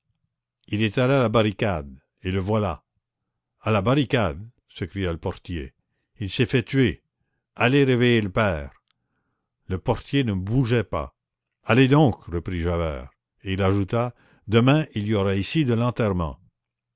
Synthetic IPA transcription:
ilet̪alalabaʁikad̪ | eləvwala | alabaʁikad̪ | səkʁijaləpɔʁt̪je | ilsɛfɛt̪ɥe | aleʁevejeləpɛːʁ | ləpɔʁt̪jenəbuʒɛpa̰ | aled̪ɔ̃kʁəpiʒavɛ̰ːʁ | eilaʒut̪a | d̪əmɛ̃iliɔʁaisid̪əlɑ̃t̪ɛʁmɑ̰̃

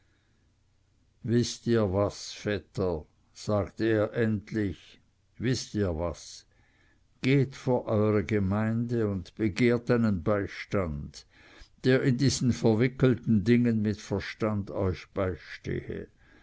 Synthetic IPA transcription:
vɪstiːɐvasfɛtʰɐ | z̥aːɡtəeːɐʔɛntlɪç | vɪstiːɐvas | ɡ̥eːtfoːɐʔɔʏʁəɡəmaɪndəʊntb̥əɡeːɐtaɪnənbaɪʃtand | d̥eːɐɪndiːz̥n̩fɛɐvɪkl̩tn̩dɪŋənmɪtfɛɐʃtandɔʏçb̥aɪʃtḛːhə̰

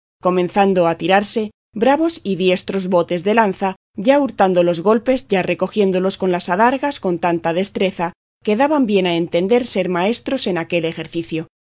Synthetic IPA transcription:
ko̞mẽnθand̪oat̪iɾaɾse̞ | bɾaβo̞siðje̞st̪ɾo̞zβo̞t̪e̞zðe̞lanθa | ɟ͡ʝauɾt̪and̪o̞lo̞zɣo̞lpe̞zɟ͡ʝare̞ko̞xje̞nd̪o̞lo̞sko̞nlasaðaɾɣasko̞nt̪ant̪aðe̞st̪ɾe̞θa | ke̞ðaβambje̞nae̞nt̪e̞nd̪e̞ɾse̞ɾmae̞st̪ɾo̞se̞nake̞le̞xe̞ɾθiθjo̞

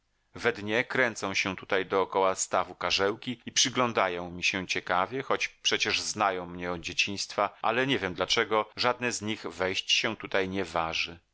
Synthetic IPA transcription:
vɛd̪ɲɛkɾɛnt̪sɔ̃w̃ɕɛ̃t̪ut̪ajd̪ɔːkɔwast̪avukaʐɛwkʲiipʂɨɡlɔ̃nd̪ajɔ̃w̃mʲiɕɛt͡ɕɛkavʲjɛxɔt͡ɕpʂɛt͡ɕɛʐznajɔ̃w̃mɲɛɔd͡ʑet͡ɕiɲ̃st̪faʔa̰lɛɲɛvʲjɛmd̪lat͡ʂɛɡɔʐad̪̚nɛzɲiɣvɛjɕt͡ɕɕɛt̪ut̪ajɲɛvaʐɘ

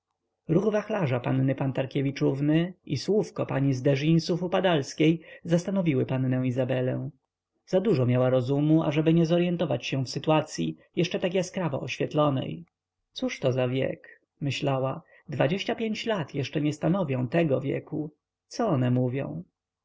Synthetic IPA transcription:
ɾuɣvaxlaʐapa̰nnɘpant̪aɾkʲevʲit͡ʂuvnɘʔiswufkɔpaɲizd̪ɛʐinsufupad̪alskʲejzast̪anɔvʲiwɘpanːɛ̃w̃izabɛlɛ̰̃w̃ | z̥ad̪uʐɔmʲjawaɾɔzumua̰ʐɛbɘɲɛzɔɾjɛnt̪ɔvat͡ɕɕɛ̃fsɘt̪uat̪sʲjḭjɛʂt͡ʂɛt̪ak̬ʲjaskɾava̰ʔɔɕfʲjɛt̪lɔnɛ̰j | t̪suʂt̪ɔzavʲjɛ̰k | mɘɕlawa | d̪vad͡ʑeɕt͡ɕapʲjeɲt͡ɕlat̪jɛʂt͡ʂɛɲɛst̪anɔvʲjɔ̃w̃t̪ɛɡɔvʲjɛ̰ku | t̪sɔɔnɛmuvʲjɔ̰̃w̃

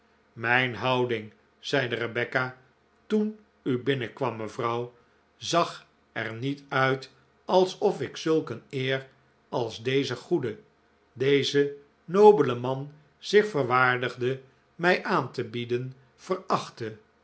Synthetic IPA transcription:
mɛjnɦɑwdɪŋ | z̥ɛjdərəbɛka | tun | ybɪnəkʋɑmːəvrɑw | zɑχ | ɛ̰ɹnitœɥt | ɑlˠsɔfɪksɵlˠkənɪːr | ɑlˠzdejzəχudə | dejzə | nowbələmɑn | z̥ɪχfəɹʋaːɹdəχdə | mɛjʔaːntəbidən | v̥ərɑχtə

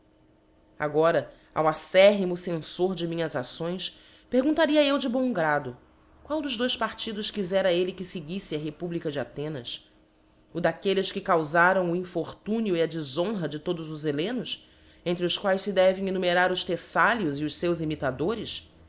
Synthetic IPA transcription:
a̰ɡɔɾɐ | a̰wasɛɦimʊsẽsoɾd͡ʒɪmĩɲɐzasõj̃s | peɾɡũnt̪aɾiɐewd͡ʒɪbõɡɾad̪ʊ | kwawd̪ʊʒd̪ojspaɾt͡ʃid̪ʊʃkizɛɾɐelɪkɪsɪɡisɪɐɦepublikɐd͡ʒɪat̪ẽnɐs | ʊd̪akelɪʃkɪkawzaɾɐ̃w̃ʊĩfoχt̪ũniʊiɐd͡ʒɪzõɦɐd͡ʒɪt̪od̪ʊzʊzelẽnʊs | ẽnt̪ɾɪʊskwajʃsɪd̪ɛvẽj̃enumeɾaɾʊʃt̪esaljʊziʊʃsewzimit̪ad̪oɾɪs

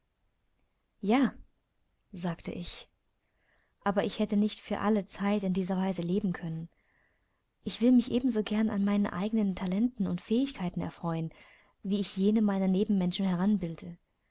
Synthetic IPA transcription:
jaː | zaːktʰə̰ʔɪç | ʔaːbɐʔɪçhɛtənɪçtfyːɐʔalət͡saɪtɪndiːzɐvaɪzəleːbm̩kʰœnən | ʔɪçv̥ɪlmɪçʔeːbm̩zoːɡɛɐnʔa̰nmaɪnənʔa̰ɪɡənəntʰalɛntn̩ʊntfɛːɪçkʰaɪtn̩ɛ̰ɐfʁ̥ɔʏən | viːɪçjeːnəmaɪnɐneːbm̩mɛnʃn̩hɛʁ̞anbɪldə

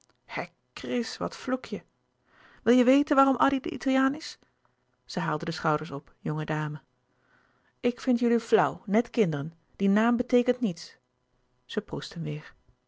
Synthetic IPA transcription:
hɛ | krɪsʋɑ̰tflukʰjə | ʋɪlˠjəʋejtənʋaːrɔmʔɑdidə̰ʔḭtʰalˠjaːnɪs | z̥əɦaːlˠdədəsχɑwdəɹsɔpjɔŋədaːmə | ʔɪkfɪntjɵliflʌwnɛtkɪndərən | d̥inaːmbətejkəntnits | z̥əprustənʋɪːɹ

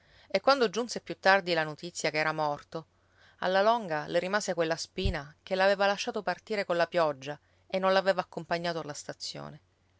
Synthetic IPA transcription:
ekːwand̪od͡ʒunsepjut̪ːard̪ilanot̪it̪sːjakeɛːɾamɔrt̪o | a̰lːalɔŋɡaleɾimaːsekwelːaspiːnakelːaveːvalaʃːaːt̪opart̪iːɾekonlapjɔd͡ʒːa | enːõnlaveːvaːkːompaɲːaːt̪oalːast̪at̪sːjo̰ːne

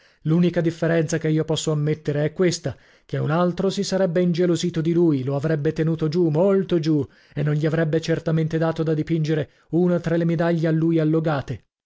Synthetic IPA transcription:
luːnikad̪ifːeɾɛnt̪sakeiːopɔsːoamːet̪ːeɾeɛkːwest̪a | keunalt̪ɾosisaɾɛbːeind͡ʒeloziːt̪od̪iluːjloavɾɛbːet̪enuːt̪od͡ʒumolt̪od͡ʒu | enːonʎiavɾɛbːet͡ʃert̪ament̪ed̪aːt̪od̪ad̪ipind͡ʒeɾe | uːnat̪ɾalemed̪aʎːealːujalːoɡaːt̪e

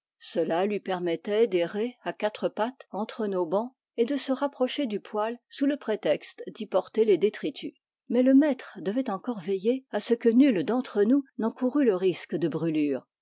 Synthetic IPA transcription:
səlalɥipɛʁmɛt̪ɛd̪eʁeakat̪χəpat̪ɑ̃t̪χənobɑ̃ | ed̪əsəʁapχɔʃed̪ypwalsuləpχet̪ɛkst̪d̪ipɔʁt̪eled̪et̪χit̪ʰy | mɛləmɛt̪χəd̪əvɛt̪ɑ̃kɔʁvejeasəkənyld̪ɑ̃t̪χənunɑ̃kuʁyləʁiskd̪əbʁylyːʁ

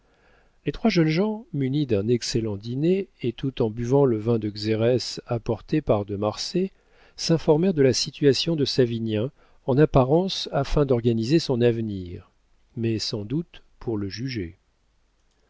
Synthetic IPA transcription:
let̪χwaʒœnʒɑ̃mynid̪ɛ̃nɛkselɑ̃d̪ineet̪ut̪ɑ̃byvɑ̃ləvɛ̃d̪əɡzeʁɛsapɔʁt̪epaʁd̪əmaʁse | sɛ̃fɔʁmɛʁd̪əlasit̪ɥasjɔ̃d̪əsavinjɛ̃ | ɑ̃napaʁɑ̃safɛ̃d̪ɔʁɡanizesɔ̃navniʁ | mɛsɑ̃d̪ut̪pʰuʁləʒyʒe

